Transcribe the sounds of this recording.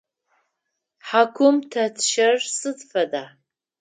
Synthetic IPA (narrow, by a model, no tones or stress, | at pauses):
ħakʷʰʊmtʰatʰʃarsɨdfada